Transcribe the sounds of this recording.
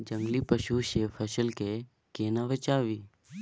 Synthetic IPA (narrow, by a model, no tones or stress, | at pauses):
d͡ʒə̃ŋɡlipəʃuʃeːpʰəsəlke | keːnaʋət͡ʃaːʋiː